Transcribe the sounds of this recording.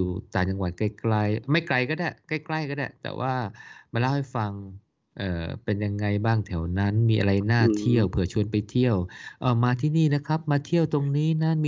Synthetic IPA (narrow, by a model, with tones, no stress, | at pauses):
uː˨˩t̪aː˨˩t͡ɕa˧ŋwa˨˩t̪̚ka˧˥˩jkla˧jma˥˩jkla˧jkɔ˥˩da˧˩ka˥˩jkla˥˩jkɔː˥˩da̰˧˩t̪ɛ̰ː˨˩wʔaː˥˩ma˧la˥˩wha˥˩jfa˧ŋ | ʔɤː˨˩pe˧nja˧ŋːa˧jbaː˥˩ŋt̪ʰɛ˨˩˦wna˦˥nmiː˧ʔa˧ɾa˧jnaː˥˩t̪ʰi˥˩əwpʰɯ˨˩˦ət͡ɕʰu˧ənpa˧jt̪ʰi˥˩əwʔɔː˧˩maː˧t̪ʰiː˥˩niː˥˩na˦˥kʰa˦˥p̚maː˧t̪ʰi˥˩əwt̪o˧ŋniː˦˥na˦˥m˧